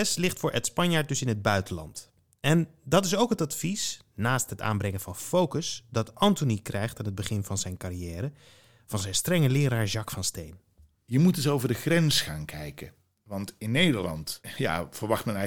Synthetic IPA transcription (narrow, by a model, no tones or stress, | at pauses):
ɛslɪχtfʊːɹʔɛtspɑɲjaːɹt̚dɵsɪnɦəd̚bœɥtənlɑ̰nt | ɛndɑtɪsowkɦətɑtfis | naːstɦəta̰ːmbrɛŋəvɑnfowkəsdɑtɑntonikrɛjχtaːnəd̚bəχɪnvɑnzɛjnkarijɛːɾə | v̥ɑnzɛjnstrɛŋəlɪːɾaːɹzɑkfɑnstejn | jəmutɪsowvəɹdəχrɛnsχa̰ːnkʰɛjkə | ʋɑntɪnːejdəɹlɑ̰ntja̰ːfəɹʋɑχtmɛnɛ